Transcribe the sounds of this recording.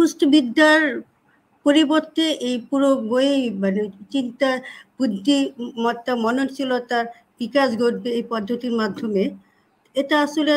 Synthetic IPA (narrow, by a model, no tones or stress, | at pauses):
ustobid̪ːaɾ | poɾiboɾt̪eʔejpuɾoɡoemanet͡ɕint̪ab̥ud̪ʱːimɔt̪ːamɔnont͡ɕʰilot̪aɾ | b̥ikaʃɡoɾ̚beejpɔd̪ʱːot̪iɾmad̪ʱːome | eʈaaʃole